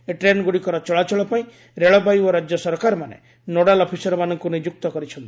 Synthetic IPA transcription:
eʈɾenɡuɽikɔɾɔt͡ʃɔɭat͡ʃɔɭɔpaĩ | ɾeɭɔbajɔɾad͡ʒjɔsɔɾkaɾɔmanḛ | noɽalɔpʰisɔɾɔmanɔŋkunid͡ʒuk̚t̪ɔkɔɾit͡ʃʰɔnt̪i̥

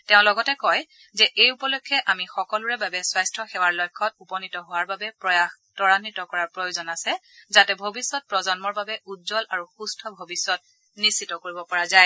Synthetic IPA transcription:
teʊ̃lɔɡɔtɛkɔj | zɛʔejupɔlojkʰːɛʔamixɔkɔluɹɛbabɛswajstʰɹɔxɛwaɹlɔjkʰːɔt̚upɔnitɔɦʊwaɹbabɛpɹɔjax | tɔɹanitɔkɔɹaɹpɹojozɔnasɛ | zatɛbʱobisːɔt̚pɹɔzɔnmɔɹbabɛudzɔlʔaɹuxustʰɔbʱobisːɔt̚ | nisːitɔkoɹibɔpɔɹazaj

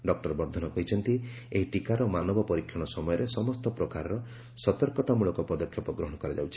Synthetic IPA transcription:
ɖɔk̚ʈɔɾbɔɾd̪ʱɔnɔkɔɦit͡ʃʰɔnt̪i | eɦiʈikaɾɔmanɔbɔpɔɾikʰjɔɽ̃ɔsɔmɔjɔɾesɔmɔst̪ɔpɾɔkaɾɔɾɔ | sɔt̪ɔɾkɔt̪amuɭɔkɔpɔd̪ɔkʰːjɔpɔɡɾɔɦɔɽ̃ɔkɔɾad͡ʒa̰wt͡ʃʰi̥

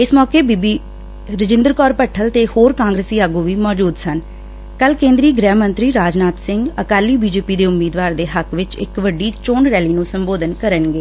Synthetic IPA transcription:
ɪsmɔːkeːbibiː | ɾɪd͡ʒɪ̃nd̪əɾkɔːɾpəʈʰːəlt̪eːhoːɾkãːŋɡɾeːsiːaːɡuːʋiːmɔːd͡ʒuːd̪sən | kəlkẽːnd̪ɾiːɡɾɛːɦmə̃nt̪ɾiːɾaːd͡ʒnaːt̪sɪ̃ŋɡəkaːliːbiːd͡ʒeːpiːd̪eːʊmːiːd̪ʋaːɾd̪eːɦəkʋɪt͡ʃɪ̰kʋəɖiːt͡ʃoːnɾɛːliːnũːsəmboːd̪ənkəɾənɡeː

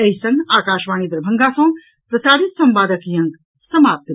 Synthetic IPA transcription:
ɐjsɐŋɡaːkaːʃʋaːñid̪ɾɐbʱɐŋɡaːsõː | pɾɐsaːɽit̪sɐmpaːd̪ɐkjɐ̃ŋɡ | sɐmaːp̚t̪ɐ

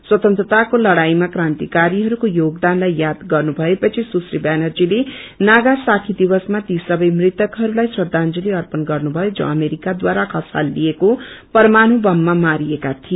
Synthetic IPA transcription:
swʌt̪ʌnt̪rʌt̪akolʌɽajmakrant̪ikaɾiɦʌɾukojoɡd̪anlajːjad̪ɡʌrnubʱʌepʌt͡sʰisusribanʌrd͡zilenaɡasakʰid̪ibʌsmat̪isʌbʌjmrit̪ʌkɦʌɾulajswʌd̪ʱand͡zʌliʌrpʌnɡʌrnubʱʌjod͡zʌ̰̃ʌmeɾikad̪waɾakʰʌsa̰lːiekopʌrmanubʌmːamaɾiekat̪ʰie

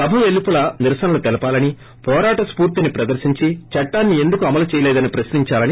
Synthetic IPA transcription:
pɐbʱɐʋelːipulɐniɾsɐnɐlut̪ɐlɐpaːlɐni | pɔːɾaːʈɐspuːɾt̪inipɾɐd̪ɐɾʃiɲt͡ʃit͡ʃɐʈːaːnːie̞nd̪ukuɐmɐlut͡ʃɛːjɐlɛːd̪ɐnipɾɐsniɲt͡ʃaːlɐni

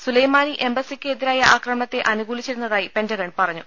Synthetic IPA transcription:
sulɐjmaːniʔe̞mbɐsikʲːɨed̪iɾaːjɐʔaːkrɐmɐɳɐt̪ːe̞ʔɐnuɡuːlit͡ɕːiɾunːɐðaːjipe̞ndɐɣɐɳpɐrɐɲːu

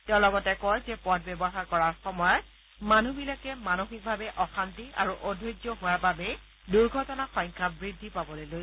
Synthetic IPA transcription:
tɛʊ̃lɔɡɔtɛkɔjzɛpɔd̚ʰbɛbɔxaɹkɔɹaɹxɔmɔjɔt̚ | manubilakɛmanoxik̚bʱabɛʔɔxantiʔa̰ɹuʔodʱojɡzɔɦowaɹbabɛ | duɹɡʱɔtɔnaxɔj̃ŋkʰabɹidʱːipabɔlojloj

